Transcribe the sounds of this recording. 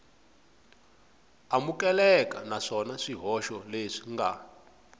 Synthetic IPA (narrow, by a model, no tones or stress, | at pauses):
amukɛlɛkanaʂɔnaʂiɦɔʃɔleʂi̥ŋɡa